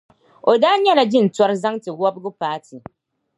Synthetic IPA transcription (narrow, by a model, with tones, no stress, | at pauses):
o˨daː˦ɲɛ˦la˨d͡ʒɪ˦˨n̩˨tɔ˦ɾza˦ŋtɨ˨wɔ˦bɡʊ˦paː˦tɨ˨